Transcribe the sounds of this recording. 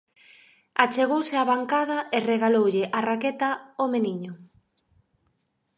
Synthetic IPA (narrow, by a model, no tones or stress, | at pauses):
at͡ʃeɣ̞owsɪaβaŋkaðɐʔɪreɣalowʎɪʔaraket̪ɐomeniɲʊ